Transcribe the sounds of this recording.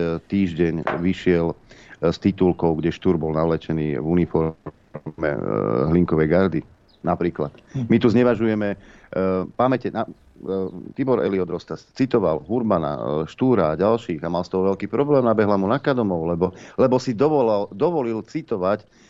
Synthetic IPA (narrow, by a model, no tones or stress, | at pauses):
t̪iːʒɟɛɲʋiʃɪɛlst̪it̪ulkɔʊɡɟɛʃt̪uɾbɔlnaʋlɛt͡ʃɛnḭːvunifɔ | mɛ̰ɦliŋkɔʋɛjɡaɾd̪i | napɾiːklat̪mit̪uzɲɛʋaʒujɛmɛ | pamɛcɛna | t̪ibɔɾʔɛ̰liɔd̪ɾɔst̪ast͡sit̪ɔʋalɦuɾmana̰ʃt̪uːɾaːɟalʃiːɣamalst̪ɔɦɔʋɛlkiːpɾɔblɛːmnabɛɦlamunakad̪ɔmɔʊlɛbɔlɛbɔsid̪ɔʋɔlald̪ɔʋɔlilt͡sit̪ɔʋac